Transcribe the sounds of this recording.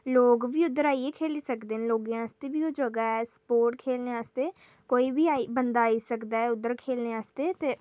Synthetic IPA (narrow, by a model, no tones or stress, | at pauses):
loːɡʋiːʊd̪əɾaːieːkʰeːliːsəkd̪eːnloːɡeãːst̪eːbiːoːd͡ʒəɡaːɛːsə̥poːɾʈkʰeːlneːaːst̪eː | koːiːbiːaːibənd̪aːiːsəkd̪aːɛːʊd̪ːəɾkʰeːlneːaːst̪eːt̪eː